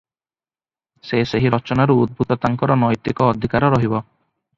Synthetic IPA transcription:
seseɦiɾɔt͡ʃɔnaɾuud̪̚bʱut̪ɔt̪aŋkɔɾɔnɔjt̪ikɔːd̪ʱikaɾɔɾɔɦibɔ

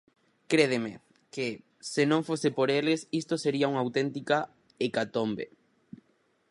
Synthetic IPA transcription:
kɾeðemḛ | ke | senõŋfosepoɾelɪsist̪oseɾiɐuŋawt̪ɛnt̪ika | ekat̪ombḛ

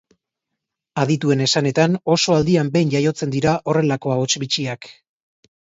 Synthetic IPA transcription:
aðit̪ue̞ne̞sane̞t̪ano̞so̞ald̪iambe̞jnʎajo̞t͡se̞nd̪iɾaʔo̞re̞lako̞aot͡ʃbit͡ʃiak

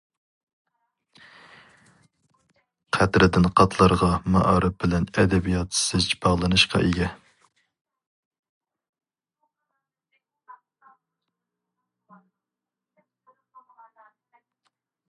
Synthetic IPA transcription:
qʰæt̪ɾɪd̪ɪnqʰɑt̪ʰlˠɑɾʁɑmɑ̰ʔɑɾɨp̚bɪlɛnɛd̪ɛbijɑt̪sɪzt͡ʃbɑʁlˠɨnɨʃqʰɑ̰ʔeɡʲɛ

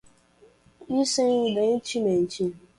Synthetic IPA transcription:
isenuben̩t͡ʃimen̩t͡ʃi

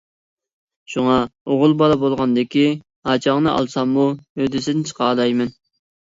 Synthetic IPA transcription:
ʃuŋɑoʁʊlˠbɑlˠɑbolˠʁɑnd̪ɪkʲi | hɑt͡ʃʰɑŋnɨʔɑ̰lˠsɑmːuød̪ɪsɪnɪt͡ʃʰə̥qɑːlˠɑjmɛn

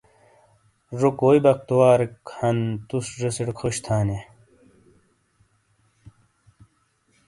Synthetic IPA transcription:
ʐokoːjbɐk̚t̪owaːɾikhɐnt̪usʐesiɽkʰoɕt̪ʰaːne

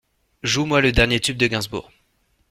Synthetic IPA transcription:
ʒumwaləd̪ɛʁnjet̪yb̚d̪əɡʲɛ̃zbṵːʁ

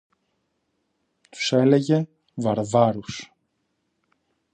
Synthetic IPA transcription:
t̪u̥sɛleʝe | vaɾvaɾus

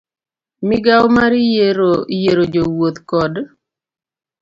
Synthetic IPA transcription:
mɪɡawmaɾjeɾojeɾod͡ʒowot̪kɔd

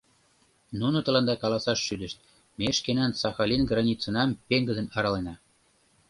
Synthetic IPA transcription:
nunot̪ə̆lɑnd̪ɑkɑlɑsɑʃʃyd̪ə̆ʃt̪̚ | meʃkenænsɑxɑlʲinɡrɑnʲit͡sə̆nɑmpeŋɡə̆d̪ə̆nɑɾɑlenɑ

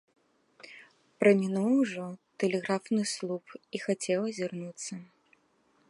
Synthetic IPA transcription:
pɾɐmʲinuwʐɔt̪ɛlʲɛɣɾafnɨslˠupixat͡sʲɛw̪ˠɐzʲirnut̪sːɐ

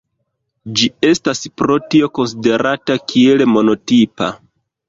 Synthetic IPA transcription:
d͡ʒie̞staspɾo̞tio̞ko̞ns̬ide̞ɾatakʰie̞lemo̞no̞tipa̰

